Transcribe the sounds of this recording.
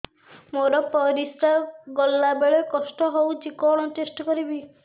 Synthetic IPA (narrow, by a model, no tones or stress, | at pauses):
moɾɔpɔɾist̪aɡɔlːabeɭekɔsʈɔɦowt͡ʃikɔɭɔ̃t͡ʃesʈɔkɔɾibi